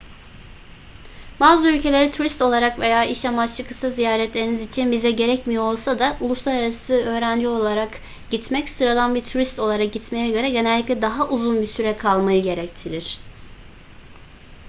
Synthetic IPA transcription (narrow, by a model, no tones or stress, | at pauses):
baːzɯylʲcʰe̞lʲeɾit̪ʰuɾist̪o̞lˠaɾakve̞jaːʔiʃamat͡ʃlˠɯkʰɯsazijaːɾɛt̪lʲe̞ɾinizit͡ʃʰinbizɛɟe̞ɾɛcmijoolˠsad̪aulˠuslˠaɾaɾasɯø̞ːɾænd͡ʒio̞lˠaɾak | ɟ̥it̪mɛcsɯɾad̪anbiɾt̪ʰuɾist̪o̞lˠaɾak̚ɟit̪me̞jɛɟø̞ɾɛɟe̞nɛlʲːiclʲɛd̪aɦaʔuzunbiɾsyɾɛkʰalˠmajɯɟe̞ɾɛct̪ʰiɾiɾ̥